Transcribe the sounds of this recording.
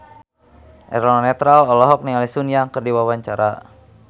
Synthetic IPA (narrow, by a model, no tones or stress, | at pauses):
ʔɛ̰ɾɔnɔnɛt̪ɾalɔlɔɦɔk̚niŋalisunjaŋkərdiwawaɲt͡ʃaɾa